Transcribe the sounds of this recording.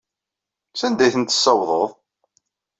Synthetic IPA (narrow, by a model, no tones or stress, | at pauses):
sænd̪æjθənt̪ə̥sːɑwðˤəðˤ